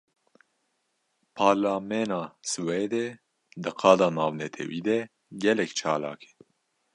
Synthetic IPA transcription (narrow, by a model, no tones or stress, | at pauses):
pʰɑːɾlaːmɛːnɑːsɨweːd̪ɛ | d̪ɨqʰɑːd̪ɑːnɑːvnɛt̪ʰɛ̰wiːd̪ɛ | ɡɛlɛkt͡ʃʰɑːlɑ̰ːkʰɛ̥